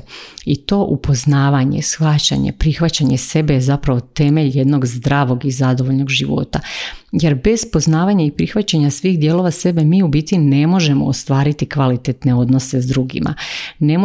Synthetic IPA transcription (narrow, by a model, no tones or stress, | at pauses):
it̪o̞ːʔupo̞znaːʋaɲḛsxʋat͡ɕa̰ɲḛpɾixʋat͡ɕaɲese̞be̞jezapɾaʋo̞t̪e̞meʎje̞d̪no̞ɡzd̪ɾaːʋo̞ɡizad̪o̞ʋo̞ʎno̞ɡʒiʋo̞̰t̪aje̞ɾbe̞z̥po̞znaːʋaɲaipɾixʋat͡ɕaɲasʋiːxd̪jeːlo̞ʋase̞be̞miːubit̪ine̞mo̞ʒe̞mo̰ːst̪ʋaːɾit̪ikʋalit̪et̪ne̞o̞d̪no̞se̞zd̪ɾuɡḭma̰ne̞mo